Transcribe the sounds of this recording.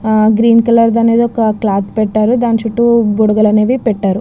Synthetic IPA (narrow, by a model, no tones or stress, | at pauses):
ɡɾiːnkɐlɐɾd̪ɐneːd̪ɔkɐklaːt̪pɛʈːaːɾud̪aːnit͡ʃuʈːuboɽuɡɐlɐneːʋipɛʈːaːɾu